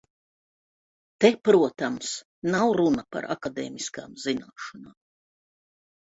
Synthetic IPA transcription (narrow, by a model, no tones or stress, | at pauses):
t̪epɾuɔt̪ams | nawɾunapa̰ɾʔa̰kad̪ḛːmiska̰ːmz̥inaːʃɔnaːm